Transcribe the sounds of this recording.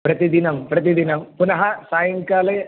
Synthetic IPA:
pɾɐt̪id̪inɐmpɾɐt̪id̪inɐmpunɐɦɐsaːjɐŋkaːle

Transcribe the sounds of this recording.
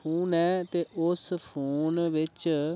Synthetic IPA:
uːnɛːt̪eːʔʊspʰuːnʋɪt͡ʃ

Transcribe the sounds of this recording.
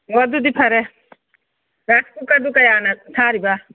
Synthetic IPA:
wɐd̪ud̪ipʰɐɾɛ | ɾaskukɐd̪ukɐjaːnat̪ʰaːɾibaː

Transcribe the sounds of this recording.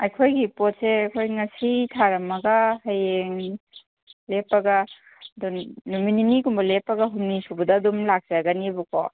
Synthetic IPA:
ɐjkʰojɡipot̚seɐjkʰojŋɐsitʰaɾɐmɐɡahajeŋ | lepːɐɡa | dunumininikumbɐlepːɐɡaɦumnisubɐdɐːdumlak̚saɡɐnibuko

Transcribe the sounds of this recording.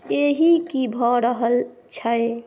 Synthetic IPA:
eɦikibʱɔɾəɦəl | t͡ʃʰəe

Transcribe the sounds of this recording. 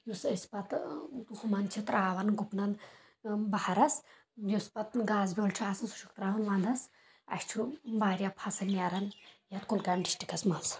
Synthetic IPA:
jusɐsʲpɐt̪d̪uhmɐnt͡ʃʰit̪ɾʔaːʋɐnɡupnɐn | bɐhɐɾɐs | juspɐt̪ɡaːzbʲoːlt͡ʃʰiaːsɐnsu̥ʃʰu̥kt̪ɾaːʋɐnʋand̪ɐs | ɐ̰ʃʲt͡ʃʰubaːɾjɐpʰɐsɐnaɾɐnjɐt̪kulkajmɖisʈikɐsmɐns

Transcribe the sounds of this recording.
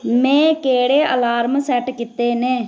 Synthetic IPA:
mɛ̃ːkeːɽeːʔəlaːɾmsɛʈkɪt̪ːeːnẽː

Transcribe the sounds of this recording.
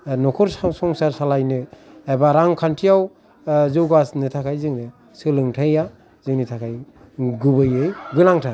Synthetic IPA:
nɔkʰɔɾssɔŋsaɾsalajnɯebaɾaŋkʰantʰijaw | zɯwɡasnɯtʰakʰajzɯŋnɯ | sɯlɯŋtʰaja | zɯŋnitʰakʰaj | ɡubɯjɯjɡɯlaŋtʰa

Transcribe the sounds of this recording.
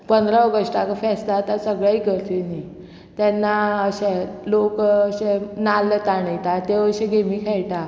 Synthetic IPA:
pənd̪ɾaɔɡəʂʈakafɛsd̪at̪asəɡɭaikəɾt̪ini | t̪ɛnːaəɕelokəɕenalːət̪aɽit̪at̪eʋəɕẽɡemiːkʰɛjʈa

